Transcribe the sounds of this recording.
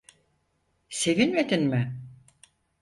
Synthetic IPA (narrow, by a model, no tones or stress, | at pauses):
se̞vinmed̪inmɪ